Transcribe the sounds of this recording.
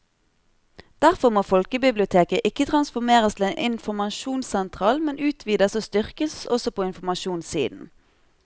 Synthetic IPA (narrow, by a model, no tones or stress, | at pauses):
d̪̥æʁfɔʁmoːfɔlkəbɪblɪʊt̪ʰeːkəʔɪkːət̪ʰʁɑnsfɔʁmeːʁəst̪ʰɪleːnʔɪnfɔʁmɑʃuːnsɛnt̪ʰʁɑːlmɛnʉːt̪ʰʋiːd̪əsoːst̪ʏʁkəsɔsɔpʰoːɪnfɔmɑʃuːnsḭːd̪n̩